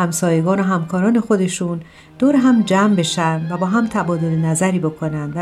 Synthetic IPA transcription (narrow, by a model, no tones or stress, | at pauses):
hæmsɒːje̞ɡɒːnoɦæmkʰɒːɾɒːne̞xo̞d̪e̞ʃuːn | d̪̥oːɾeɦæmd͡ʒæmbe̞ʃændvæbɒːɦæmt̪ʰæbɒːd̪o̞lenæzæɾiːbo̞kʰo̞nænd̪væ